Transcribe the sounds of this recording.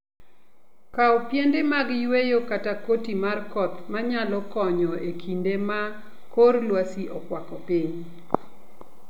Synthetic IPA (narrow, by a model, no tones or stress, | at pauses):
kaɔpjendemaɡɪjwejokatakotimarkɔt̪maɲalɔkɔɲɔekʰindema | korlwasiʔɔkwakɔpɪɲ